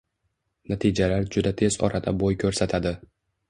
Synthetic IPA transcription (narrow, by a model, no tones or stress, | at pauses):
nat̪ʰid͡ʒalaɾd͡ʒʊd̪at̪ʰe̞z̥ɒ̰ɾʔad̪abojkʰɵɾsat̪ʰad̪ɪ